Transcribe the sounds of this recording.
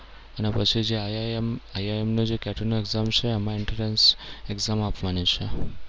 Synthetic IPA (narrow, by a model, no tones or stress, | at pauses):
ənepət͡ʃʰid͡ʒemajaemnod͡ʒekɛʈənoeɡzamt͡ʃʰeɛmãɪɳʈəɾenseɡzamapʋanit͡ʃʰe